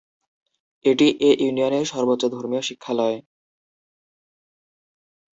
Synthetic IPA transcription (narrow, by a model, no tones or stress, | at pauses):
eʈiʔeʔjunioneɾʃɔɾbotːod̪ʱoɾmioʃikʰːalɔe